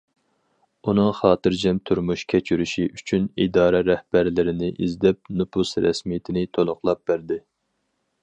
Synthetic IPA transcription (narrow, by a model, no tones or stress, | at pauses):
unɨŋχɑːt̪ɨɾd͡ʒɛmt̪ʰuɾmuʃkʲʰɛt͡ʃʰyɾyʃiʔyt͡ʃʰynid̪ɑːɾɛɾɛhb̥æɾlɪɾɪnɪʔizd̪ɛp̚nupʰusɾɛ̰smijɪt̪ʰɪnɪt̪ʰolˠʊχlˠɑp̚bæɾd̪ɪ